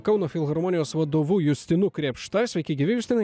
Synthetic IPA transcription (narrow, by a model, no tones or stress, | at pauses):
kɒʊnoːfʲɪlˠɣɐɾmɔnʲɪjoːsʋɐd̪oːʋuːjʊsʲt̪ʲɪnukɾʲiɛpʃt̪ɐsʲɛɪkʲɪɡʲiːʋʲɪjʊsʲt̪ʲɪnɐ